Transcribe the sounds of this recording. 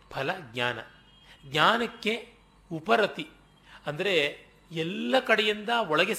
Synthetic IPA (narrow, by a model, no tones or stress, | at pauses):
pʰɐlɐɡɲaːnɐ̰ | ɡɲaːnɐkːe̞ | upɐɾɐt̪i | ɐnd̪ɐɾe | ɛlːɐkɐɽejind̪ɐɔɭɐɡe